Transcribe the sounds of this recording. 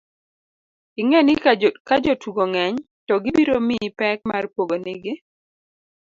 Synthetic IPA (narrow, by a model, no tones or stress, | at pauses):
ɪŋɛnɪkad͡ʒotuɡoŋɛɲ | tɔɡibiɾomipɛk̚marpoɡonɪɡɪ